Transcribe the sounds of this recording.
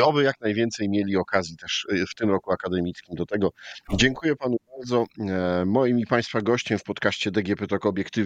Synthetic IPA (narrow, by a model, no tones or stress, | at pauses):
ɔbɘjaknajvʲjɛnt̪sɛjmʲjelʲiɔkazʲjit̪ɛʂft̪ɘmɾɔkuakad̪ɛmʲit̪skʲimd̪ɔt̪ɛɡɔd͡ʑɛŋkujɛpanubaɾd̪zɔmɔjimipaj̃st̪faɡɔɕt͡ɕɛmfpɔt̪kaɕt͡ɕɛd̪ɛɡʲjɛpɛt̪ɔkːbʲjɛkt̪ɘ